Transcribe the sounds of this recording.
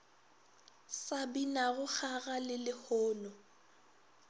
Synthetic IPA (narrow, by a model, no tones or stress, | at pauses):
sabinaɣʊk͡xaɣalɪlɪhɔːnɔ